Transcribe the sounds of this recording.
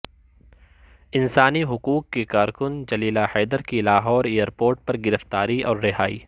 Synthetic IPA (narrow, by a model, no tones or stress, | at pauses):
ɪnsaːniɦʊkuːkːekaːɾkʊnd͡ʒɐliːlahɛːd̪əɾkilaːɦɔːɾeːjəɾpoːɾʈ̚pɐɾɡɪɾəft̪aːɾiɔːɾːɪɦaːḭː